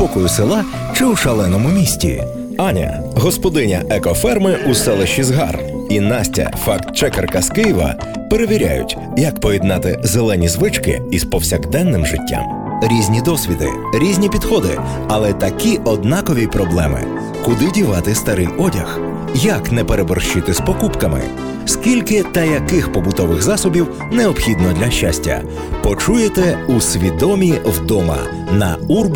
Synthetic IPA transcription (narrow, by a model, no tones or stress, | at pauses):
pɔkɔjʊsɪlˠɑ | t͡ʃɪwʃɐlˠɛnɔmʊmʲisʲtʲḭ | ɑnʲɐ̰ | ɦɔspɔd̪ɪnʲɐ̰ʔɛkɔfɛrmɪʔusɛlˠɪʃt͡ʃizɦɑ̰r | inɑsʲtʲɐ̰fɑkt̪t͡ʃɛkɛrkɐskɪjʋɐ̰ | peɾeʋʲiɾʲa̰jʊ̰tʲ | jɐkpɔjid̪nɑt̪ɪzelˠɛnʲizʋɪt͡ʃkɪ̰ispɔwsʲɐɡd̪ɛnːɪmʒɪtʲːa̰m | ɾʲizʲnʲid̪ɔsʲʋʲid̪ɪ̰ | ɾʲizʲnʲipʲid̪xɔd̪ɪ̰ | ɐlˠɛt̪ɐkʲiɔd̪nɑkɔʋʲipɾɔblˠɛmɪ̰ | kʊd̪ɪdʲiʋɑt̪ɪst̪ɐɾɪjɔdʲɐx | jɐknɛpeɾebɔrʃt͡ʃɪt̪ɪspɔkupkɐmɪ̰ | skʲilʲkɪt̪ɐjɐkɪxpɔbʊt̪ɔʋɪɣzɑsɔbʲiw | neɔbxʲid̪nɔd̪lʲɐʃt͡ʃasʲtʲːɐ̰ | pɔt͡ʃujet̪ɛusʲʋʲid̪ɔmʲiwd̪ɔmɐ̰ | nɐurb